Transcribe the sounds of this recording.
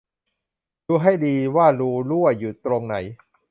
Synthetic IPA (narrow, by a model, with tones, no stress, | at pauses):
ɾuː˧ɦa˥˩jdiː˧waː˥˩ɾuː˧lu˥˩əjuː˨˩t̪ɾo˧ŋna˩˦j